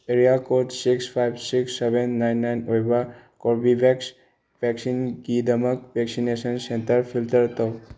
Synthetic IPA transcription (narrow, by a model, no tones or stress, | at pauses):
eɾiakoʈsikspʰajbsiksːebenːajnːajnojba | koɾbibɛks | ʋɛksinɡid̪əməkʋɛksinesənsẽnt̪əɾpʰilʈ̪əɾt̪ɔ